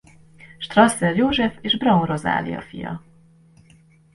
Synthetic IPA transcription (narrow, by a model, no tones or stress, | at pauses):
ʃt̪rɒsːɛrjoːʒɛfeːʒbrɒunro̞za̰ːliɒ̰fijɒ̰